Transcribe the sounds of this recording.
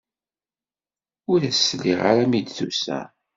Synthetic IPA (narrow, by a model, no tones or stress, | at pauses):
ʊɾæsːliʁa̰ɾæmid̪θṵsæ̰